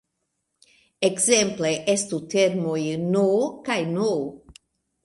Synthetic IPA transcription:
ekzẽmpleʔest̪ut̪eɾmojnokajno

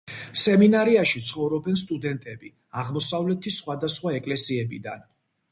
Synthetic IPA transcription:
sɛminaɾiaʃit̪sʰχɔvɾɔbɛnst̪ʼud̪ɛnt̪ʼɛbi | aʁmɔsavlɛt̪ʰisχwad̪asχwaɛkʼlɛsiɛbid̪a̰n

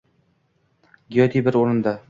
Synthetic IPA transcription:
ɡʲijɒt̪ʰibɪɾoɾɪnd̪a

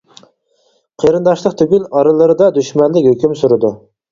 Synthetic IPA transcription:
qʰeɾɨnd̪ɑʃlˠəq̚t̪ʰyɡʲylɑɾɨlˠɨɾɨd̪ɑd̪yʃmɛnlɪkʲhøkʲymsuɾɨd̪u

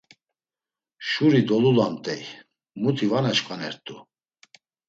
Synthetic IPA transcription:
ʃuɾid̪ɔlulamt̪ʼɛj | mut̪ʰivanat͡ʃkʼanɛɾt̪ʼu

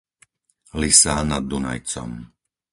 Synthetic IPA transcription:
lisaːnad̪ːuna̰jt͡sɔ̰m

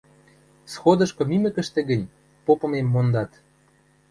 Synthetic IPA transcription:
sxod̪ɤ̆ʃkɤ̆mymə̆kə̆ʃt̪ĕɡə̆nʲ | popɤ̆memːond̪ɑt̪

